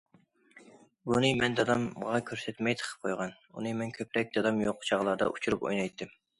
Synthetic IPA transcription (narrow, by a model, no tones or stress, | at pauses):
bunɨmɛnd̪ɑd̪ɑmʁɑkʲʰøɾsɛt̪mɛjt̪ʰə̥qʰə̥p̚qʰojʁɑn | ṵnɨmɛnkʲʰøpɾɛk̚ʲd̪ɑd̪ɑmjoqt͡ʃʰɑʁlˠɑɾd̪ɑ̰ʔut͡ʃʰuɾupo̰jnɑjt̪ʰːɪm